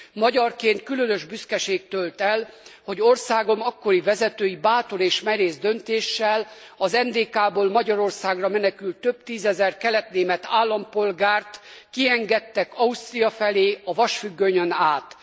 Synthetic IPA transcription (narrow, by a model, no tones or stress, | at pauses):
mɒɟɒrkeːnt̪̚kylønøʒbyskɛʃeːk̚t̪ølt̪ɛlho̞ɟo̞rsaːɡo̞mɒkːo̞ɾivɛzɛt̪øːjibaːt̪o̞ɾeːʃmɛɾeːzd̪ø̞nt̪eːʃːɛlɒzɛnd̪eːkaːboːlmɒɟɒɾo̞rsaːɡrɒmɛnɛkylt̪ːø̞b̚t̪iːzɛzɛrkɛlɛt̪neːmɛt̪aːlːɒmpo̞lɡaːrt̪kiɛŋɡɛt̪ːɛkɒust̪rijɒfɛleːɒvɒʃfyɡːøɲønaːt̪